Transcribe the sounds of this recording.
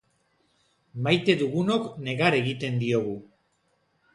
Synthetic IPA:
majt̪e̞ðuɣuno̞kne̞ɣaɾe̞ɣit̪e̞nd̪io̞ɣu

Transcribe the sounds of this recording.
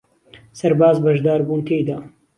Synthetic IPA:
sɐɾbaːzbɐʒd̪aːɾbuːnt̪ʰeːjd̪aː

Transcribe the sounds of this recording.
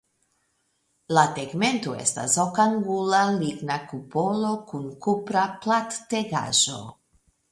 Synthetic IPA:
lateɡme̞ntoe̞̰sta̰sokaŋɡulaliɡnakupo̞lo̞kunkupɾaplatːeɡa̰ʒo̞̰

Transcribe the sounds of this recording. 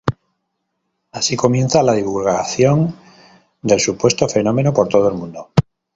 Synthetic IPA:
asiko̞mjẽ̞nθalað̞iβ̞ulɣaθjo̞n | d̪e̞lsupwe̞st̪ofe̞nõ̞mẽ̞nopo̞ɾt̪oð̞oe̞lmũnd̪o

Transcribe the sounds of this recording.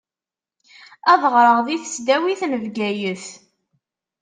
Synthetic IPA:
æðˤəʁɾˤəʁðiθə̥sd̪æwiθnəvɡæjəθ

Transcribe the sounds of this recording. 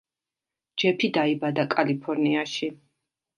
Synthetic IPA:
d͡ʒɛpʰid̪aibad̪akʼalipʰɔɾniaʃi

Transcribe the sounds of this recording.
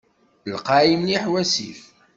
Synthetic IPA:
lqɑimniħwæsḭf

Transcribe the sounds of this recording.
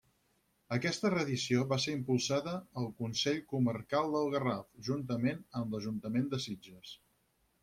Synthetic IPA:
əkɛst̪ərəðisioβaseɾimpulˠsaðəːlˠkunsɛʎkumərkalˠd̪əlˠɣərafʒunt̪̬əmenəmləʒunt̪əmend̪əsid͡ʒəs

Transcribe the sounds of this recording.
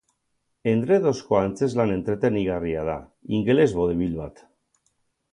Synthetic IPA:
e̞nd̪ɾeðo̞skoant͡se̞zlane̞nt̪ɾe̞t̪eniɣ̞ariað̞a̰iŋɡele̞zβo̞ðeβilβat̪

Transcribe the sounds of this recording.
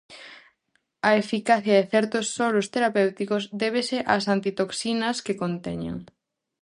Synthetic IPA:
ɐefikaθjɐðeθɛɾt̪osːɔɾost̪eɾapewt̪ikozd̪eβ̞eseʔasant̪it̪oksinɐskekont̪ɛ̰ɲḛŋ

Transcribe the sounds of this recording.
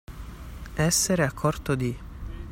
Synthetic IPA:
ɛsːeɾeakʰːort̪od̪i

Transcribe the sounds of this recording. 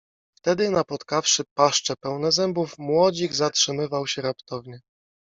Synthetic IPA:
ft̪ɛd̪ɘnapɔt̪kafʂɘpaʂt͡ʂɛpɛwnɛzɛmbufmwɔd͡ʑiɡzatʂɘmɘvawɕɛɾapt̪ɔvɲɛ

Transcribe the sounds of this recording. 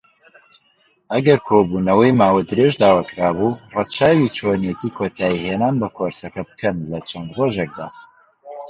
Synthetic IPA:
ɐɡɐɾkʰoːbunɐwɐjmaːwɐd̪ɨɾeʒd̪aːwɐkɾaːbuːrɑt͡ʃʰaːwit͡ʃʰonjet̪ʰiːkʰot̪ʰaːiheːnaːnbɐkʰoɾsɐkɐbɨ̥kɐnlɐt͡ʃʰɐnd̪roːʒek̚d̪a̰ː

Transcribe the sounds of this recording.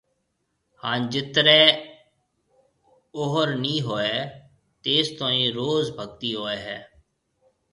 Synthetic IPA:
hãːnd͡ʒɪt̪ɾɛː | oɦəɾnĩːɦoːeː | t̪eːst̪õːĩːɾoːzbʱəɡ̚t̪iːɦoːeːɦɛː

